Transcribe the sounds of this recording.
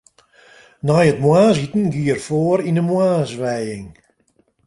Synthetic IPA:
najətmwaːs̬itn̩ɡiərfoəɾinəmwaːsʋɛjɪŋ

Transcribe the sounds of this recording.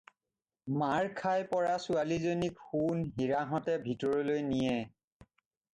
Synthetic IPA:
maɹkʰajpɔɹasualizonikxunɦiɹaɦɔtɛbʱitɔɹɔlojnijɛ

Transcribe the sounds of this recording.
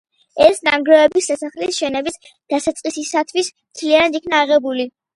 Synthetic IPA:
ɛsnaŋɡɾɛɛbisːasaχlisʃɛnɛbis | d̪̥asat̪sʼqʼisisat̪ʰwismt̪ʰlianad̪ikʰnaːʁɛbuli

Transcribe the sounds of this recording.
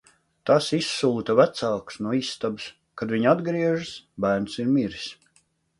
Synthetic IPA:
t̪asisːuːt̪avæt̪salksnuɔiːsːt̪abis | kad̪vʲiɲad̪ɡɾiɛʒasbæːɾnsiɾmiɾis

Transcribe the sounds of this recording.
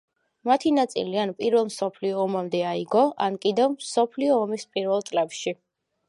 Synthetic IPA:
mat̪ʰinat̪sʼḭlianpʼiɾvɛlˠmsɔpʰliɔːmamd̪ɛaiɡɔʔankʼid̪ɛvmsɔpʰliɔːmispʼiɾvɛlˠt̪sʼlɛpʃi

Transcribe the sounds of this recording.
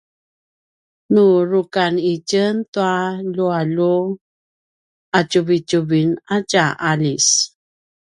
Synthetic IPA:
nuɾukanicəntualualu | at͡ʃuvit͡ʃuvinacaʔalis

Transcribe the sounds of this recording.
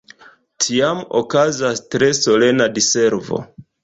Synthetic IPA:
tʰiamo̰kazastɾe̞so̞le̞nadise̞ɾvo̞̰

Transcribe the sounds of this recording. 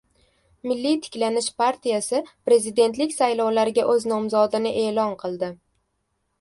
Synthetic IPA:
mɪlːit̪ʰɪ̥kʲlanɪʃpʰaɾt̪ʰijasɪpɾe̞zɪd̪e̞nt̪̬lɪkʲsajlɒwlaɾɪɡʲaʔɵznɒmzɒd̪ɪnɪʔe̞ːlɒnqʰɨlˠd̪ɪ

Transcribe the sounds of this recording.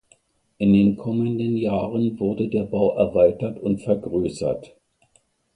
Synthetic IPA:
ʔɪndeːnkʰɔməndənjaːʁənvʊɐdədeːɐbaʊʔɛɐvaɪtɐtʊntfɛɐɡʁøːsɐ̰t

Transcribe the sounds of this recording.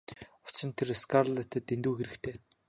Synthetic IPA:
ʊ̥t͡ɕɪ̆nt̪ʰeɾeskarɮet̪ʰə̆t̪ent̪uːxeɾɘ̆kt̪ʰeː

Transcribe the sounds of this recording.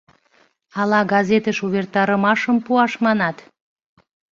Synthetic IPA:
ɑlɑɡɑzet̪əʃuβert̪ɑɾəmɑʃəmpuɑʃmɑnɑt̪

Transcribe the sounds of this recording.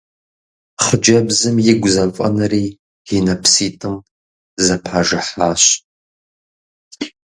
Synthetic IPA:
χəd͡ʒɐbzɨmjɪɡʷʊzɐfʼɐ̰nɐriː | inɐpʰsiːtʼɨm | zɐpʰaʒɨħaːɕ

